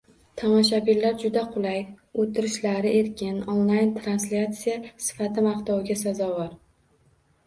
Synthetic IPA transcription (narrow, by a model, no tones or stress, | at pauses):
t̪ʰamɒʃ̬abɪlːaɾd͡ʒʊd̪aqʰʊlˠajot̪ʰɪɾɪʃlaɾɪʔe̞ɾkʲɪnonlˠajnt̪ʰɾanslʲat̪sijasɪ̥fat̪ʰɪmɑqt̪ʰɒwɡʲas̬azɒvɒɾ